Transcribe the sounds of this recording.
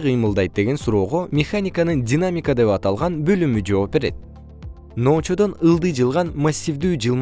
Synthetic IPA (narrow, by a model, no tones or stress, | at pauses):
qʰɯjmɯlˠd̪ɑjt̪̚d̪e̞ɡe̞nsuɾo̞ːʁo̞mʲɪxanʲɪkanɯndʲinamʲɪkad̪e̞pɑt̪ɑlˠʁɑnbø̞lymyd͡ʒo̞ːp̚ːe̞ɾe̞t̪̚ | no̞ːt͡ʃo̞d̪o̞nɯlˠd̪ɯjd͡ʒɯlˠʁɑnmasʲːivd̪yːd͡ʒɯlˠm